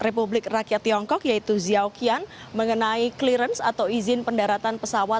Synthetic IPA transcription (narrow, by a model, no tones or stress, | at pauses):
republɪk̚rakijat̪ːiɔŋkɔk̚jait̪uziaokian | məŋənaikliɾənsat̪awizɪnpəndaɾat̪anpəsawa